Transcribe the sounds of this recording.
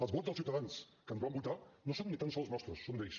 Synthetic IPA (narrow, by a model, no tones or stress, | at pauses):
əlˠzβɔzðəlsiwt̪əðans | kənɔβambut̪anosonːit̪ansɔlˠznɔst̪ɾusːond̪ejs